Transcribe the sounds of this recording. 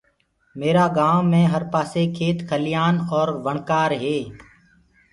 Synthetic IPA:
meːɾaːɡaːwmẽːɦəɾpaːseːkʰeːt̪kʰəlɪjaːnɔːɾʋəɳkaːɾɦeː

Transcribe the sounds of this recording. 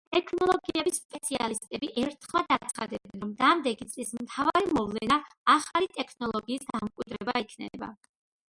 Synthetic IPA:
t̪ʼɛkʰnɔlˠɔɡiɛbisspʼɛt̪sʰia̰list̪ʼɛbiʔɛɾt̪ʰχmad̪att̪sʰχad̪ɛbɛnɾɔmd̪amd̪ɛɡit̪sʼlismt̪ʰavaɾimɔvlɛna | aχalit̪ʼɛkʰnɔlˠɔɡiːsd̪amkʼwid̪ɾɛbaikʰnɛba̰

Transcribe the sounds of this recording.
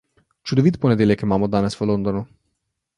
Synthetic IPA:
t͡ʃud̪ovit̪poned̪elʲekemamod̪anɛsfəlond̪onu

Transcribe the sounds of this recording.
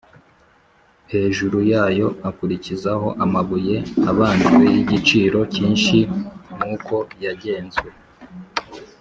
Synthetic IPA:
he̞ːʒuɾujaːjo̞akuɾicizaɦo̞ʔamaβuje̞aβaːndiwejiɟit͡ʃiːɾo̞ciːnʃimuːkʰo̞jaɟe̞ːnzɡwe̞

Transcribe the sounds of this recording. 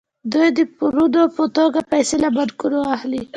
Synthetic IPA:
d̪ujd̪əpuɾud̪opət̪oɡapajsɪlabad̪kuɾoahli

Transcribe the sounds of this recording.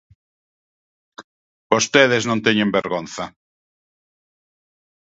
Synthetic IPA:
bost̪eðeznõnt̪eɲẽmbeɾɣonθɐ

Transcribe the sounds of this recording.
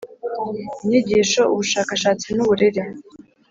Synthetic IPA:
imɲiɟiːʃouβuʃaːkaʃaːt͡sinnuβuɾiɾi

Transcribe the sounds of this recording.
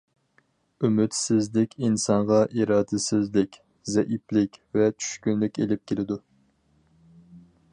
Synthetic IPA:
ymyt̪sɪzlɪkʲinsɑŋʁɑʔiɾɑːd̪ɪsɪzlɪkʲ | zɛʔiplɪkʲvɛt͡ʃʰy̥ʃkʲynlɪkʲelɪp̚kʲʰelɪd̪u

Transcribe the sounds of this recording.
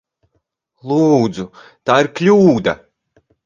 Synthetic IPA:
lˠuːd̪zu | t̪aːiɾklʲuːd̪a̰

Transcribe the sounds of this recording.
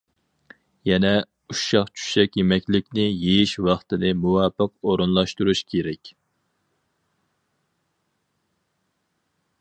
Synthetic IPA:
jɛnɛ | uʃɑχt͡ʃʰu̥ʃɛkʲjemɛkʲlɪkʲnɪjejiʃwɑχt̪ɨnɨmuwɑːpəqoɾunlˠɑʃt̪uɾuʃkʲʰeɾɛkʲ

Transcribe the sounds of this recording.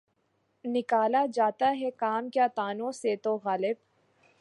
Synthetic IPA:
nɪkaːlad͡ʒaːt̪aɦɛkaːmkjaːt̪aːnõset̪oɣaːlɪb

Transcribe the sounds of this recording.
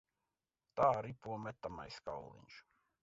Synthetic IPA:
t̪aːɾipuɔmɛt̪ːama̰jska̰wlˠḭɲʲʃ

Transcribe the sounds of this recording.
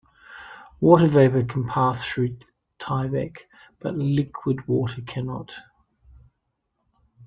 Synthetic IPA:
wɔˑɾəveɪpəkʰə̃n̩pʰæˑsθɹʉ | tʰaɪbɛ̰k | b̥ʌ̰ʔlɪkʰwɪd̚wɔˑɾəkʰænɒ̰t

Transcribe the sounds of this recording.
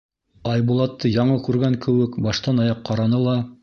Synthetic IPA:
ɑjbulˠɑt̪ːɤjɑɴɤkʉɾɡæŋkɘ̆wɘkbɑʃt̪ɑnɑjɑqːɑɾɑnɤlˠɑ

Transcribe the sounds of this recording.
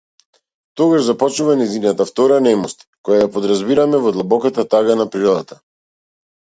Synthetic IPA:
t̪ɔɡaʒzapɔt͡ʃuvanɛjzinat̪aft̪ɔɾanɛmɔst̪kɔjajapɔd̪ɾazbiɾamɛvɔd̪lˠabɔkat̪at̪aɡanapɾiɾɔd̪at̪a

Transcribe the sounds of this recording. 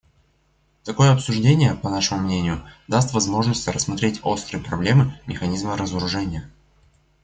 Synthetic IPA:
t̪ɐko̞jəɐpsʊʐdʲenʲɪjəpɐnaʂɨmʊmnʲenʲɪjʊd̪ast̪vɐzmo̞ʐnəsʲtʲɾəsmɐt̪ɾʲetʲo̞st̪ɾɨjpɾɐblʲe̞mɨmʲɪxɐnʲizməɾəzəɾʊʐɛnʲɪjə

